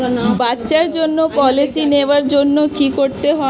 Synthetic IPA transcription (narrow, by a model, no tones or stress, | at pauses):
batːɕaɾd͡ʑonːopɔlisineoaɾd͡ʑonːokikoɾt̪eɦɔ